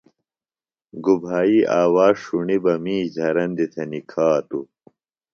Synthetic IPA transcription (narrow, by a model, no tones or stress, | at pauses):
ɡubʱaːiʔaːwaːʂuɳibɐmĩːzʱɐɾɐnd̪it̪ʰɐnikʰaːt̪u